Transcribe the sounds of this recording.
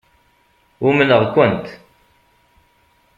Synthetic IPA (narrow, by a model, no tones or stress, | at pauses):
umənəʁkʷʊnt̪